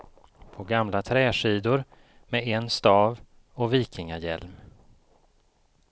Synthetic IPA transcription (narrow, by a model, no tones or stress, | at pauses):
pʰɔɡamlat̪ʰɾɛːʂiːd̪ʊɾ | mɛɛnst̪ɑːv | ɔviːkʰɪŋajɛlm